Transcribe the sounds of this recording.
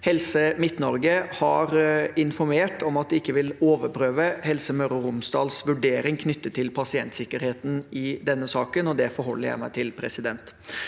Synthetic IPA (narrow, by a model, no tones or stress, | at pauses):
hɛlsəmɪt̪nɔɾɡəhɑɾɪnfɔɾmeːʈɔmɑt̪̚d̪ɛɪkːəʋɪloːʋəɾpʰɾøːʋəhɛlsəmœɾʊɾʊmsd̪ɑːlsʋʉɖeːɾɪŋkʰnʏt̪ːət̪ʰːɪlpʰɑsɪɛnt̪sɪkːəɾheːt̪n̩ɪd̪ɛnːəsɑːkənɔd̪ɛfɔɾhɔlːəɾjæ̰ɪmæ̰ɪt̪ʰɪlpʰɾɛsɪd̪ɛnt̪